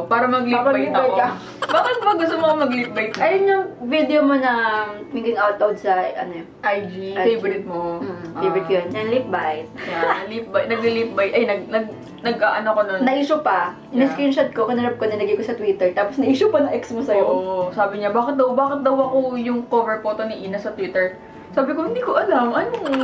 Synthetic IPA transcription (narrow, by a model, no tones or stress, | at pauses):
paːɾɐmɐɡliɐip̚bjɐ | baːkɪt̪̚bɐɡʊst̪omoɐŋmɐɡlip̚bajt̪ʔɐjonɲɐŋvid̪ɛomonɐmɪŋɡɪŋʔawt̪lowd̪̚sɐʔɐnoj | ʔajd͡ʒifejbɾɪt̪̚mofejbɹɪt̪kjonjɐŋliːp̚bajt̪̚ɐlip̚bajnɐɡlilip̚bajɐjnɐɡ̚nɐɡ̚ | nɐɡʔaʔɐnokononnɐʔiːʃopɐ | nɪskɾinʃɐd̪̚kokɐnɐɾɐb̚konɐlɐɡɪkosɐt̪wiːt̪ɛɹt̪aːposnɐʔiːʃʊpɐnɐŋʔɛksmosɐjoʔosaːbɪɲabaːkɪt̪̚d̪ɐwbaːkɪt̪̚d̪ɐwɐkojʊŋkoːvɛɹpot̪onɪʔiːnɐsɐt̪wiːt̪ɛɹ | saːbɪkohɪnd̪iːkoʔɐlamʔɐnoŋ